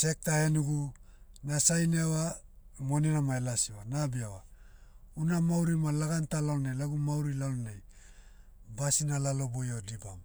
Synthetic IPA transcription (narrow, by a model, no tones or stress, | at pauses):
se̞k̚tahenuɡunasajnewamoninamaelasiwanabiawa | unamawɾimalaɡantalalnejlaɡumawɾilalnej | basinalalo̞bojodiba̰m